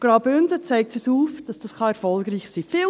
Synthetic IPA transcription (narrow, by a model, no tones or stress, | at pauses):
ɡ̥ɾɑʊbʏndət͡sæɪk̚tfəsuːfd̥ɑsd̥ɑsχɑɛɾfɔlɡɾiːçsiːfi